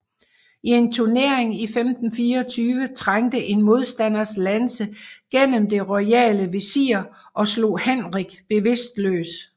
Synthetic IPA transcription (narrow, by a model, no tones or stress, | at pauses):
ie̝nt͡sʰuɐne̝ɐeŋifemd̥n̩fiːɐɒt͡sʰyːʋət͡sʰʁaŋ̰d̥əʔe̝nmo̝ð̞ˠsd̥æn̰ɐslænsəɡ̥en̰əmd̥e̝ʁɒɪɛ̰ːləʋe̝sḭːɐ | ʔɒ̽slo̝̰ːhenʁiɡ̥b̥e̝ʋe̝sd̥lø̰ːs